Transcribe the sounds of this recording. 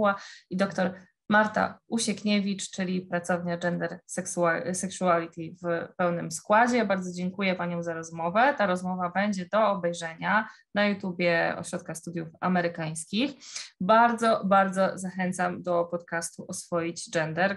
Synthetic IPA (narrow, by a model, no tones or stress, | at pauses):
aid̪ɔkt̪ɔɾ | maɾt̪a̰uɕɛkɲevʲit͡ʂt͡ʂɘlʲipɾat̪sɔvɲad͡ʐɛnd̪ɛɾsɛksasɛksualʲit̪ʲivpɛwnɘmskwad͡ʑɛbaɾd̪zɔd͡ʑɛŋkujɛpaɲɔ̃w̃zaɾɔzmɔvɛt̪aɾɔzmɔvabɛɲd͡ʑɛd̪ɔːbɛjʐɛɲanajut̪ubʲjɛɔ̰ɕɾɔt̪̚kaxst̪ud̪jufa̰mɛɾɘkaj̃skʲixbaɾd̪zɔbaɾd̪zɔzaxɛnt̪samd̪ɔpɔt̪kast̪uʔɔsfɔjid͡ʑd͡ʐɛnd̪ɛɾ